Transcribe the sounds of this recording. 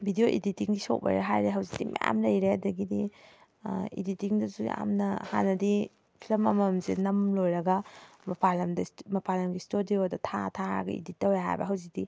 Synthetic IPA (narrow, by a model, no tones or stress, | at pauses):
bʱidijoʔḭditiŋɡiso̰wbɐ̰ɾaɦajɾeɦɐwzikd̥imʔaja̰mlɐjɾeɐdɐɡidi | ḭditiŋdɐzuja̰mnɐha̰nːɐdi | pʰilɐmɐmɐmzḛnɐmlojɾɐɡɐmɐpʰalɐmdɐmɐpʰalɐmɡistodiodɐtʰatʰaɾɐ̰ɡɐ̰ḭditːɐwjɦa̰jbɐ̰ɦɐwzik̚di